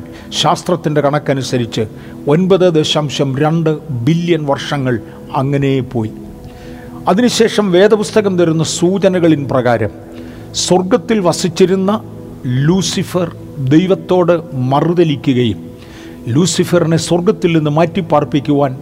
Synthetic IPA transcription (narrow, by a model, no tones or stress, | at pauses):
ɕaːst̪rɐt̪ːinde̞kɐɳɐkːɐnusɐɾit͡ɕːɨ | o̞nbɐðɨd̪eːɕamɕɐmɾɐɳɖɨbilːjɐnʋɐrʂɐŋːɐɭ | ɐŋːɐne̞jepːo̞ːji | ɐðinɨɕe̞ːʂɐmʋe̞ːd̪ɐpust̪ɐɣɐmt̪ɐɾunːɐsuːd͡ʑɐnɐɣɐɭinprɐɣaːɾɐ̰m | sworɡɐt̪ːilʋɐsit͡ɕːiɾunːɐ | luːsifɐr | d̪ejʋɐt̪ːo̞ːɽɨmɐruðɐlikʲːuɣɐjum | luːsifɐrinesworɡɐt̪ːilninːɨmɐtːipːaːrpikʲːuʋaːn